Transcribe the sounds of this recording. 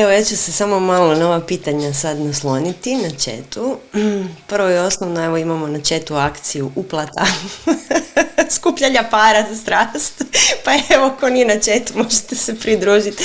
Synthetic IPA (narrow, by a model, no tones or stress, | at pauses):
eʋojat͡ʃusesamo̞malˠono̞ʋapiːt̪aɲasad̪naslˠo̞nit̪inat͡ʃe̞̰t̪u | pr̩ʋojeo̞snoʋnoe̞ʋo̞imamo̞nat͡ʃe̞t̪uakt̪sijuʔuplˠat̪a | skupʎaʎapaːɾast̪ɾaːst̪paeʋo̞ko̞nijenat͡ʃe̞t̪umo̞ʒet̪esepɾid̪ɾuːʒit̪